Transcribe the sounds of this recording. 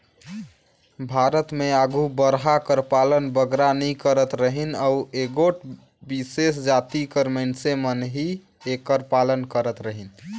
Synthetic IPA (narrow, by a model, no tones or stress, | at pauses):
bʱaɾət̪meaɡʱubəɾɦakəɾpalənbəɡɾanikəɾət̪ɾəɦinaueɡoʈ | bisesd͡ʒat̪ikəɾməɪnsemənɦi | ekəɾpalənkəɾət̪ɾəɦin